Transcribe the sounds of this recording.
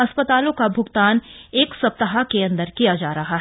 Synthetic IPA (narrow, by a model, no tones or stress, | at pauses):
ɐspət̪aːlõkabʱʊɡt̪aːneːksɐp̚t̪əɦakeɐ̃nd̪əɾkijad͡ʒaːɾɐɦaɦɛ